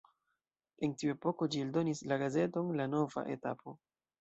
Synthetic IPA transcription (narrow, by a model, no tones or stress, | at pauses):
e̞ntiue̞po̞ko̞d͡ʒieldo̞nislaɡaze̞to̞nlano̞va̰ʔe̞̰tapʰo̞